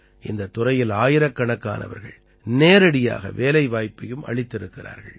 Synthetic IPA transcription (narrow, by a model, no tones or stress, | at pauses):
ʔɪnd̪ɐt̪ːʊrɐjɪlaːjɪɾɐkːɐɳɐkːa̰ːnɐ̰ʋɐ̰ɾɣɐ̰ɭ | neːɾɐɽɪja̰ːɣɐ̰ʋeːlɐɪʋaːjpːɐjɯmɐ̰ɭɪt̪ːɪɾɯkːɪra̰ːɾɣɐ̰ɭ